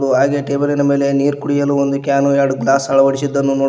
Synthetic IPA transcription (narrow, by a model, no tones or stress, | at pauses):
ɽuɦaːɡeʈeːbɐlinɐme̞ːle̞niːɾkuɽijɐluːond̪ukjaːnujaːɽuɡlaːsɐɭɐʋɐɽisid̪ːɐnːunoː